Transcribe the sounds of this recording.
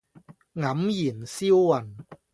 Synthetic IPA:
ŋɐ˨˦mji˨˩nsi˥wːɐ˨˩n

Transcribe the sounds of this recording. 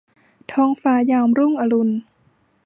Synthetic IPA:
t̪ʰɔː˧ŋfaː˧jaː˧˩mɾu˥˩ŋʔa˧lu˧n

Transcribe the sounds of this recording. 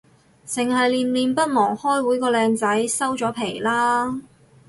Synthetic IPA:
sɪ˨˩ŋhɐ˨jliː˨nliː˨npɐ˥t̚mɔː˨˩ŋhɔː˥jwuː˨˥jkɔː˧lɛː˧ŋt͡sɐ˨˥jsɐ˥wt͡sɔː˨˥pʰe˨˩jlaː˥

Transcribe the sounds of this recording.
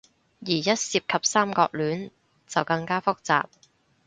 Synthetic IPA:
jiː˨˩jɐ˥t̚siː˧p̚kʰɐ˨p̚saː˥mkɔː˧k̚lyː˨˥n | t͡sɐ˨wkɐ˧ŋkaː˥fʊ˥k̚t͡sa̰ː˨p̚

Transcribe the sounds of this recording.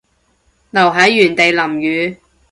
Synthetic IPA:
nɐ˨˩wɦɐ˨˥jːyː˨˩nt̪e˨jlɐ˨˩mjyː˨˧

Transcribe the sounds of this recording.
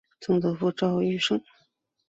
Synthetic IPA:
t͡sɤ˥˩ŋt̪ɤ˧˥fu˥˩ʈ͡ʂɑ˥˩ʊy˥˩ʂɤ˥ŋ

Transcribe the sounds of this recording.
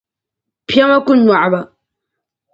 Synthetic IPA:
pʰja˦ma˦ku˦nːa˨ʕba˨

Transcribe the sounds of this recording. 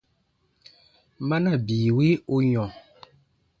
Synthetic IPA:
ma˦na˦˨biː˨we˦o˦ɲɔ̃˨

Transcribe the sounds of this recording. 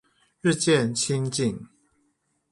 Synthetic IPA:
ɻ̩˥˧t͡ɕjɛ˥˨nt͡ɕʰi˦ŋt͡ɕi˥˨ŋ

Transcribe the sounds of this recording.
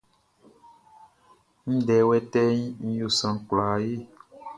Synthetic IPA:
ŋĩ˦ɖɛ˨wɛ˦t̪ɛ˦ɲ˦ŋ̩˦jo˨sã˨kla˨je˦

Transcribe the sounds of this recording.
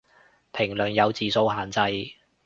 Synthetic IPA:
pʰɪ˨˩ŋlɵ˨˩njɐ˨˧wt͡siː˨so˧whaː˨nt͡sɐ˧j

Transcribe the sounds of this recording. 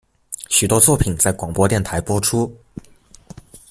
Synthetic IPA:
ɕy˨˩t̪wɔ˥t͡swɔ˥˩pʰi˨˩nt͡sa˥˩ɪkwɑ˨˩ŋpwɔ˥t̪jɛ˥˩nt̪ʰa˧˥ɪpwɔ˥ʈ͡ʂʰu˥

